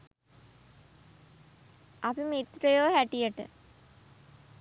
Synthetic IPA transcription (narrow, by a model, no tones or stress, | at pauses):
ɐpimit̪ɾəjoːɦæʈijəʈə̰